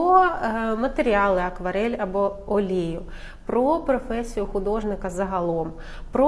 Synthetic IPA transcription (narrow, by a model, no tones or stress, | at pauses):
ɔmɐt̪eɾʲiɑlˠɪɐkʋɐɾɛlʲɐbɔɔlʲijʊ | pɾɔpɾɔfɛsʲijʊxʊd̪ɔʒnɪkɐzɐɦɐlˠɔm | pɾɔ